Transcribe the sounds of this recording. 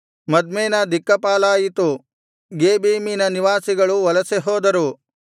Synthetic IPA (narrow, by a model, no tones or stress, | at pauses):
mɐd̪meːnɐd̪ikːɐpaːlaːjit̪u | ɡeːbiːminɐniʋaːsiɡɐɭuʋɐlɐseɦoːd̪ɐɾu